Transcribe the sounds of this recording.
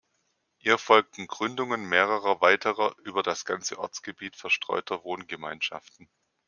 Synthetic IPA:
ʔiːɐfɔlk̚tn̩ɡʁʏndʊŋənmeːʁ̞əʁɐvaɪtʰəʁɐʔyːbɐdasɡ̥ant͡səʔɔɐt͡sɡ̥əbiːtfɛɐʃtʁ̥ɔ̰ʏtʰɐvoːnɡəmaɪnʃa̰ftn̩

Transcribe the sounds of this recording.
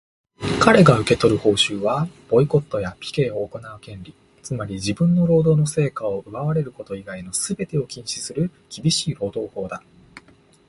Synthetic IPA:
kaɾe̞ɡaɯ̟ke̞t̪o̞ɾɯ̟ho̞ːɕɨːβab̥o̞iko̞t̪ːo̞japʲi̥ke̞ːo̞ːko̞naɯ̟kẽ̞nɾʲi | t͡sɨmaɾʲid͡ʑibɯ̟̃nːo̞ɾo̞ːd̪o̞ːno̞se̞ːkao̞ɯ̟βaβaɾe̞ɾɯ̟ko̞t̪o̞iɡaino̞sɨbe̞t̪e̞o̞kʲĩɰ̃ɕi̥sɨɾɯ̟kʲibʲiɕiːho̞ːd̪o̞ːho̞ːd̪a

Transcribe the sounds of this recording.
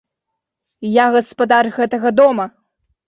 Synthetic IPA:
jaɣɐspɐd̪arɣɛt̪ɐɣɐd̪ɔmɐ

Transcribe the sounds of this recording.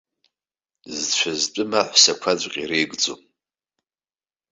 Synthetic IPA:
zt͡ɕʷʰazt͡pʷʼʊmaħʷsakʷʰad͡zʷʼqʲʼirejɡd͡zo̰m

